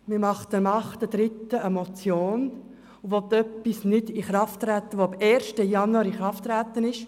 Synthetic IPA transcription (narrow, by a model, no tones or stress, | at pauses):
mɪɾmɑχt̪əmɑχt̪əd̥ɾɪt̪ːəəmot͡sjoːn | uʋɔt̪ːœpːisnɪdiχɾɑft̪ɾæt̪ːəʋoɑbɛːɾʃtəjɑnuɑɾiχɾɑft̪ːɾæt̪ənɪʃ